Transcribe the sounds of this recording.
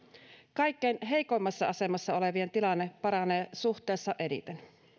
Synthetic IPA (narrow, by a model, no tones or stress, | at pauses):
kɑikːejnɦe̞jkoimːɑsːɑɑse̞mɑsːɑole̞ʋient̪ilɑnːepɑɾɑneːsuht̪ˑeːsːɑʔeɾḭt̪en